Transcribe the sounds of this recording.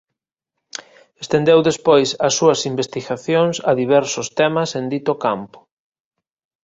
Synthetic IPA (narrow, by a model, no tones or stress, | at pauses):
est̪end̪ewðespojsɐsːuɐsimbest̪iɣaθjoŋsɐðiβ̞ɛɾsʊst̪ɛmɐsend̪it̪okampʊ̥